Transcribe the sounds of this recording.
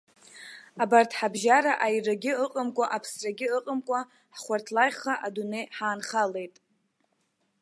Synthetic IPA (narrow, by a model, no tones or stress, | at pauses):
abartʰħabʒaɾaʔajraɡʲɪəqʼəmkʷʼaʔapʰsraɡʲɪɨqʼəmkʷʼa | ħχʷartʰlajχaʔadune̞jħaːnχale̞jtʼ